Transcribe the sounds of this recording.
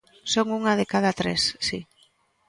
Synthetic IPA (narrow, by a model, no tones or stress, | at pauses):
soŋuŋaðekað̞at̪ɾesːi